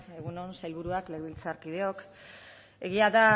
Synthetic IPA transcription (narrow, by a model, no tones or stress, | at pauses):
e̞ɣuno̞nsajlβuɾuakle̞ɣβilt͡saɾkiðe̞o̞k | e̞ɣ̞iaða